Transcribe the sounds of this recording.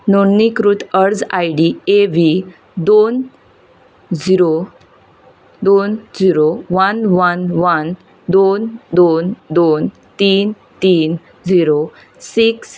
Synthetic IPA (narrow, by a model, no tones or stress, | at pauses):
nonikɾut̪ʰəɾd͡zajɖieʋi | d̪on | d͡ziɾo | d̪ond͡ziɾoʋənʋənʋən | d̪ond̪ond̪on | t̪iːn | t̪iːn | d͡ziɾo | siks